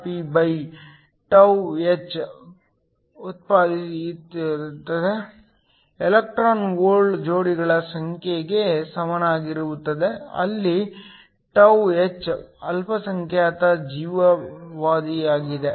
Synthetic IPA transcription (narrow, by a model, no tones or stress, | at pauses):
pibɐj | ʈɐwet͡ʃː | ut̪̚paːd̪iit̪t̪ːɐd̪e | elɐk̚ʈɾaːnʋoːɾɖd͡ʒoːɽiɡɐɭɐsɐŋkʰjeɡesɐmɐnaːɡiɾuʋut̪ːɐd̪eɐ̰lːi | ʈɐwet͡ʃːɐlpɐsɐŋkʰjaːt̪ɐd͡ʒiːʋɐʋaːd̪iaːɡid̪e